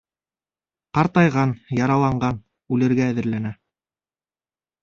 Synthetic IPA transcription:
qɑɾt̪ɑjʁɑnjɑɾɑlˠɑɴɢɑn | ʉlɘ̆ɾɡæːðɘ̆ɾlænæ

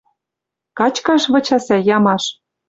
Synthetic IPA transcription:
kɑt͡ɕkɑʃβɤ̆t͡ɕɑsæjɑmɑʃ

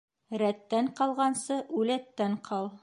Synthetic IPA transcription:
ɾæt̪ːæɴqɑlˠʁɑnsɤʔʉlæt̪ːæɴqʰɑlˠ

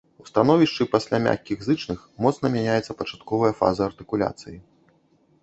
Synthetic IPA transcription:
ust̪anɔvʲiʂt͡ʂɨpasʲlʲamʲa̰kʲːiɣzɨt͡ʂnɨxmɔt̪snɐmʲanʲajɛt̪sɐpɐt͡ʂḁt̪kɔvɐjɐfa̰zɐːrt̪ɨkulʲa̰t̪sɨji

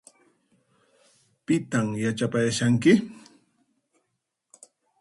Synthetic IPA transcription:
pɪt̪amjat͡ʃapajaʃaŋkɪ

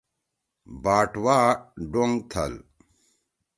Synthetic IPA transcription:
baːʈwaːɖoŋɡt̪ʰɐ̰l

